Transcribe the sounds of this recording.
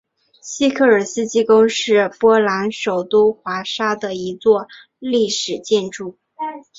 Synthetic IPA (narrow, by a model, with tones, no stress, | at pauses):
ɕi˥kʰɤ˥˩ə˞˨˩sɹ̩˥t͡ɕi˥kʊ˥ŋʂɻ̩˥˩pwɔ˥la˧˥nʂo˨˩ʊt̪u˥xwa˧˥ʂa˥d̪ə˨i˧˥t͡swɔ˥˧ | li˥˩ʂɻ̩˨˩t͡ɕjɛ˥˧nʈ͡ʂu˥˩